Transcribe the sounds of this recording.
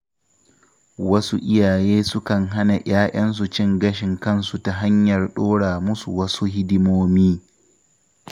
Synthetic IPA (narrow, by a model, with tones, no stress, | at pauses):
wɐ˦su˦ʔɪ˦jaː˨jeː˦sʊ˦kɐ˨ŋɦa˦na˨j̰aː˦ʔɐ˦ns̬u˨t͡ʃɪ˦ŋɡɐ˦ʃɪ˨ŋkɐ˦˨nsu˨ta˨ɦa˦ɲjɐ˨rɗoː˦ɽaː˨mʊ˦su˨wɐ˦su˦hɪ˦dɪ˦moː˦miː˦